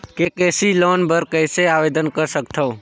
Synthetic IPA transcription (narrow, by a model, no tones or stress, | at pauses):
kekeːsiloːnbəɾkəɪseaːʋeːd̪ənkəɾsəkt̪ʰoː